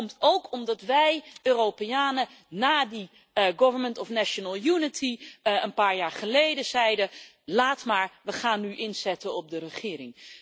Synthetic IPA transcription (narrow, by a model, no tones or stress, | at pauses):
mtowkʰɔmdɑtʋɛjøːrowpejaːnə | naːdi | ɡɔvənməntɔfnaʃənəlˠjunɪtʰiənpaːɹjaːɹχəlejdəzɛjdə | laːtmaːɹʋəχaːnːyʔɪnzɛtənɔb̚dərəχɪːɾɪŋ